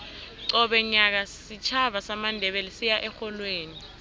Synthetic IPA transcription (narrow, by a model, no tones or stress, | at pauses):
ǀɔɓɛɲak̬asit͡ʃʰaɓasamandʱɛɓɛlɛsijaʔɛxɔlweːni